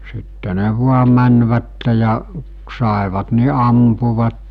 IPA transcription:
sitːe ne ʋuɑ mænʋætːe jɑ k sɑˑeʋɑt ni ɑmpuʋɑtːe

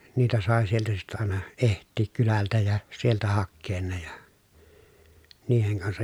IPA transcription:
niːtæ sɑˑe sieltæ sitːæ ɑˑenɑ ehtˑiːk kylæltæ jɑ sieltæ hɑkːeːn ne jɑ niːheŋ kɑnsɑj

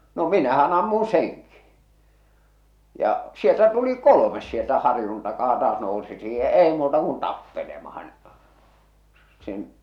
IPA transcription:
no minæhæn ɑmːun̞ seŋki jɑ sieltæ tuli kolomes sieltæ hɑrĭjun tɑkɑː tɑːs nousi siːhe jɑ eˑi muːtɑ kun tɑpːelemɑhɑn sen

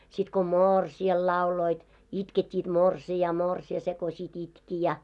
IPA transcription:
sit ko moːrsiɑl lɑuloit itketʲːiːt morsiɑː morsiɑ se ko sit itki jɑ

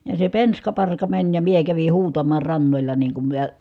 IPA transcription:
jɑ se penskɑ pɑrkɑ mænʲ jɑ mie kæʋi huːtɑmɑː rɑnːolʲɑ niːŋ kum miə

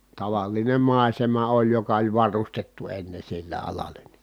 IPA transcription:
tɑʋɑlˑinem mɑˑi̯semɑ olʲ jokɑ olʲ ʋɑrustetːu enːe silːe ɑlɑlˑen̥ n̥i̥

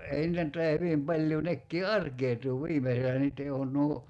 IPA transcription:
ei nĭtæ ny̆t tɑiɑ hyʋim pɑlʲjuː nekːiː ɑrkeːtuː ʋiːmeselæ niːtˑe on nuo

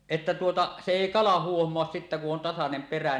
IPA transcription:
etːæ tuotɑ se eˑi kɑlɑ huohmoɑs sitːæ kuʔ ʔon tɑsɑnem peræ

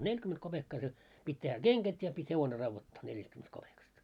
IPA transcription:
nelʲkyment kopekːɑ se pitʲ tehæ keŋɡ̊æt jɑ pitʲ heʋone rɑʋːotːɑː neljæstkymːenest kopekɑst

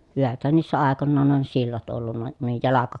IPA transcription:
hyʋæthæn niːsːæ ɑˑekonːɑːn on silːɑt olːunːɑ ə nuij jɑlɑkɑ

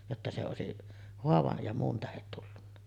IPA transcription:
jotːɑ se oˑesiʔ hoɑʋɑj jɑ muːn tæhet tulːunːɑ

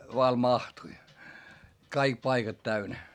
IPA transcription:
ʋɑː mɑhtui kɑik pɑikɑt tæynæ

